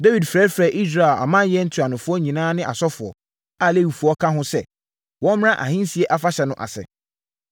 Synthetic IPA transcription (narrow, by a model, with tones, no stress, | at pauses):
de˦wi˨dfɾɛ˦fɾɛ˨ʔi˦s̬ɾa˨a̰˨mã˦jɛ˦n̩˦tʰu˨a˨nʊ̃˨fʊ˦ɔ˦ɲĩ˨nãː˦nɪ̃˦ʔa̰˨sɔ˦fʊ˨ɔ̰˨ | a˨le˦wi˨fu˨˦ɔ˦kʰã˦ɦʊ̃˦sɛ˦ | wɔ̃˦m˦ã˦ʔa̰˨ɦĩ˦n˦si˨ɛ˦ʔa˦fa˦ɕɛ˨nʊ̃˦˨ʔa̰˨sɛ̰˨